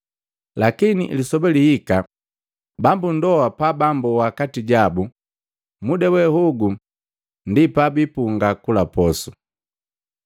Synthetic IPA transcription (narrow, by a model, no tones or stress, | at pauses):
lakinḭʔlisɔbɛliika | bambun̩dɔwapabambuwakatiɟabu | mudɛwɛhuɡu | ndipabipuŋɡakulapɔsu